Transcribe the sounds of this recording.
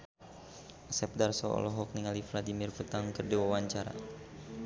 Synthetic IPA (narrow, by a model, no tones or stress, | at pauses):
sɛp̚darsɔɔ̰lɔɦɔk̚niŋalifladimirfət̪aŋkɨrdiwawaɲt͡ʃaɾa̰